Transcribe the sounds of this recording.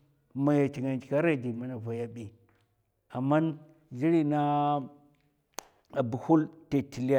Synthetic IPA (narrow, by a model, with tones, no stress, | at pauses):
ma˨ja˨t͡ʃi˨ŋa˨nt͡ʃi˨ka˦ɾa˦˨d͡ʒi˨ma˦na˨va˨ja˦ɓi˨ | a˨mːa˦n | d͡ʒi˦ɾi˦na˦ | a˨bu˨hu˦lte˨ti˨li˦a˦